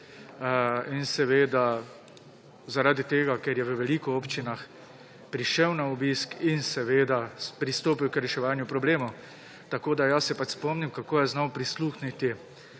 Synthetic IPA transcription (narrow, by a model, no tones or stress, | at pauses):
insɛʋeːd̪a | zaɾaːd̪it̪eːɡakɛɾjɛʋəʋɛliːkɔɔːpt͡ʃinax | pɾiʃɛwnaɔbiskinsɛʋeːd̪apɾist̪oːpiwkɾɛʃɛʋaːnjʊpɾɔbleːmo | t̪akoːd̪ajasɛpat͡ʃspɔmniwkakoːjɛznɔwpɾisluːxnit̪i